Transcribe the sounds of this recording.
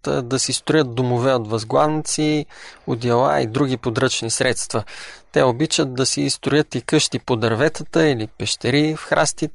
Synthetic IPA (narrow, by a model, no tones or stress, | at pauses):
t̪d̪ɐsist̪ɾʊjət̪̚d̪omovɛot̪vɐzɡlˠanit̪siod̪ʲjɐlˠa̰ḭd̪ɾuɡ̟ipod̪ɾɤt͡ʃnisɾɛt̪st̪vət̪ɛobit͡ʃət̪̚d̪ɐsiːst̪ɾʊjɤt̪ikɤʃt̪ipod̪ɐɾvɛt̪ət̪əilipɛʃt̪ɛɾifxɾʔast̪it̪